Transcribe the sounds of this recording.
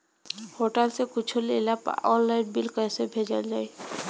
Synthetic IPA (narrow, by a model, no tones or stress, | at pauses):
hoʈalsekut͡ɕʰulelapa̰ɔlːajʈbilkɔasebʱed͡ʑald͡ʑaj